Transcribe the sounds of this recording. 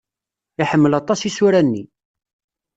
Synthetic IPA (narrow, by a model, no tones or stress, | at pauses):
ɪħəmːəlɑt̪ˤɑsisuɾænːḭ